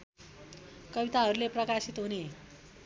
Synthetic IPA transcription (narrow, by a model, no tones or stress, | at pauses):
kʌbit̪aɦʌɾuleprʌkasit̪ɦune